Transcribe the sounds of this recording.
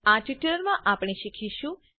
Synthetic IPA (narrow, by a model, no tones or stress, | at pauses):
aʈiʈləɾmãʔapɳ̃eʃikʰiʃũ